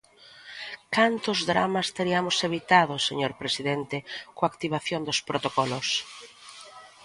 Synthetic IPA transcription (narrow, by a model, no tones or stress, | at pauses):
kant̪ʊzðɾa̰mast̪eɾiamʊseβit̪að̞ʊseɲoɾpɾesiðent̪ekoakt̪iβ̞aθjond̪ʊspɾot̪okɔlʊs